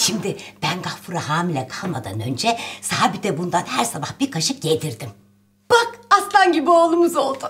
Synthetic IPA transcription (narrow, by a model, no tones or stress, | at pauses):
ʃimd̪ɪb̥ænɡahfuɾaɦaːmilʲɛkʰalˠmad̪a̰nø̞nd͡ʒɛsaabid̪ɛbund̪anhæɾsabahb̥iɾkʰaʃɯp̚ɟed̪iɾd̪im | b̥akaslˠanɟibioːlˠumuzo̞lˠd̪ʊ